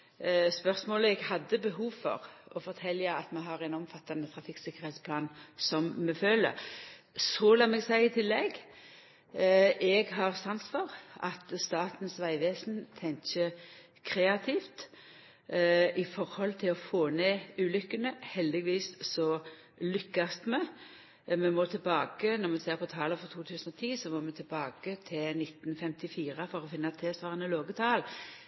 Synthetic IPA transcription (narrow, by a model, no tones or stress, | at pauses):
spœʁsmoːləɛɡhɑd̪ːəbəɦuːʋfɔ̰ʁɔfɔɾt̪ʰɛlːjæɪɑt̪mɛɦɑʁɛnɔmfɑt̪ːɑnət̪ʰɾɑfɪksɪkːəɾhɛt̪spʰlɑːnsɔmmɛføːlə̰ɾ | sɔlɑmɛɡsæɪɪt̪ʰɪlːɛɡ | ʔɛɡɦɑʁsɑnsfɔʁɑt̪st̪ɑːt̪n̩sʋæɪʋeːsn̩t̪ʰɛŋçə | kʰʁeːɑt̪ʰiːft̪ | ʔɪfɔʁhɔlt̪ʰɪlɔfoːneːʉːlʏkːənəhɛld̪ɪɡʋiːssɔ | lʏkːɑst̪mɛ | mɛmɔt̪ʰɪlbɑːkənɔʁmɛseːʁpɔt̪ʰɑːləfɔʁt̪ʰuːt̪ʰʉːsənɔt̪ʰiːsɔmoːmɛt̪ʰɪlbɑːkət̪ʰɪlnɪt̪nfɛmt̪ɪfiːʁəfɔʁɔfɪnːɑt̪ʰɛːsʋɑːʁənəloːɡət̪ʰɑːl